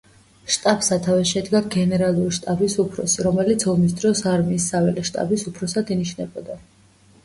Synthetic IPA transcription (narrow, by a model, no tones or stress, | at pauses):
ʃt̪ʼabsat̪ʰavɛʃɛd̪ɡaɡɛnɛɾalˠuɾiʃt̪ʼabisupʰɾɔ̰siɾɔmɛlit̪sʰɔmis̬d̪ɾɔsaɾmiːsːavɛlɛʃt̪ʼa̰bisupʰɾɔsad̪iniʃnɛbɔd̪a